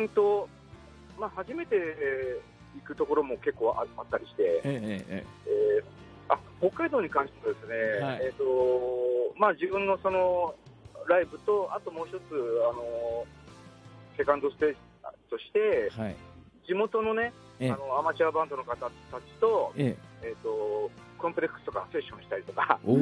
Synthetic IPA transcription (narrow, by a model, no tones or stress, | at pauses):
ɯ̃t̪o̞ | mahaʑime̞t̪e̞ | ikɯ̟t̪o̞ko̞ɾo̞mo̞ke̞kːo̞ːʔa̰at̪ːaɾʲiɕi̥t̪e̞ | e | aho̞kːaid̪o̞ːɲ̟ikãɰ̃ɕi̥t̪eb̪ad̪e̞sɨne̞et̪o̞ | maːd͡ʑibɯ̟̃nːo̞so̞no̞ | ɾaibɯ̟t̪o̞at̪o̞mo̞ːçi̥t̪o̞t͡sɨano̞ | se̞kãnd̪o̞sɨ̥pe̞ːd͡ʑ̥ | t̪o̞ɕi̥t̪e̞ | d͡ʑimo̞t̪o̞no̞ne̞ | ano̞amat͡ɕiabãnd̪o̞nokat̪at̪at͡ɕi̥t̪o̞eːt̪ːo̞ | kõ̞mpɯ̟ɾe̞kɯ̥sɨ̥t̪o̞kanose̞ɕːõ̞ɰ̃ɕi̥t̪aɾit̪o̞ka